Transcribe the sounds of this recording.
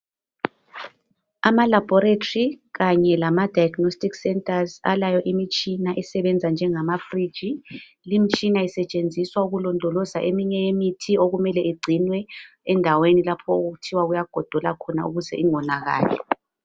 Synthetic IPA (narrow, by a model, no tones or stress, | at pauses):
amalab̥ʱɔɾetʰʼori | ɣaɲɛlamad̥ʱajaɡnostiksɛntʼaza̰lajɔʔimit͡ʃʼinaʔɛsɛβɛnd͡zʱand͡ʒʱɛŋamafrid̥ʒ̥ʱi | limit͡ʃʼinaisɛt͡ʃʼend͡zʱiswauɣulɔndʱɔlɔzaʔemiɲɛjemitʰioɣumɛlɛiɡ͡ǀʱinwɛ | ɛndʱawenilapʰɔoɣuɣutʰiwaɣujaɡ̥ʱɔd̥ʱɔlakʰɔna̰uɣuzɛ̰iŋɔnaɣa̰ːlɛ